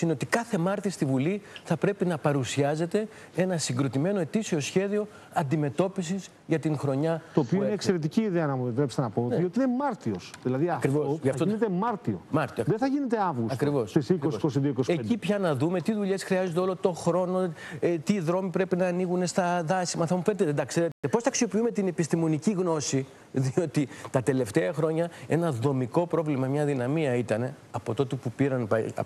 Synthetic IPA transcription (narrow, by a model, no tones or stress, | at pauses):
ineot̪ikɐθe̞mɐɾt̪ist̪ivuliθɐpɾe̞pinɐpɐɾusiɐze̞t̪e̞ | e̞nɐsiŋɡɾo̞t̪ime̞no̞e̞t̪isio̞sçe̞ðio̞ | ɐnd̪ime̞t̪o̞pisis | ʝɐt̪iŋxɾo̞ɲɐt̪oːpioiinekse̞ɾe̞t̪iciːðeɐnɐmet̪ɾepist̪enɐponiot̪iinemɐɾt̪iosðilɐðiɐfkɾivosʝɐft̪oinet̪emɐɾt̪io̰mɐɾt̪ioðeθɐʝinet̪eɐvɣusɐkɾivosisikososiðioikoseipçɐnɐðume̞t̪iðuʎe̞sxɾiɐzond̪eo̞lo̞t̪o̞xɾo̞no̞ | t̪iðɾo̞mipɾe̞pinɐːniɣune̞st̪ɐðɐsimɐθɐmufenet̪eðed̪ɐkseɾet̪t̪epo̞sθɐksio̞piume̞t̪ine̞pist̪imo̞niciɣno̞si | ðio̞t̪it̪ɐt̪e̞le̞ft̪eɐxɾo̞ɲɐe̞nɐðo̞miko̞pɾo̞vlimɐmɲɐðinɐmiɐit̪ɐne̞ɐpot̪o̞t̪epupiɾɐnpɐ̰